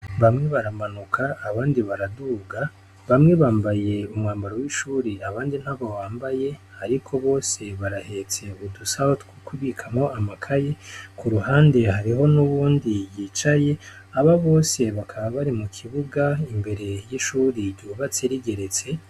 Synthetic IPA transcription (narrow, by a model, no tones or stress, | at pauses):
βamŋe̞βaɾamanukʰaːβaːndiβaɾaduɡa | βamŋe̞βaːmbaje̞umŋaːmbaɾowiʃuːɾiaβaːndin̥haβowaːmbaje̞haɾikʰo̞βo̞ːse̞βaɾahe̞t͡se̞βudusahotkukʰuβikʰamo̞ʔamakʰaje̞kuɾuhaːnde̞haɾiɦo̞nuβuːndijiːt͡ʃaje̞ | aβaβo̞ːse̞βakʰaβaβaɾimukʰiβuɡaimbe̞ɾe̞jiʃuːɾiɟuβat͡seɾiɡe̞ɾe̞t͡se̞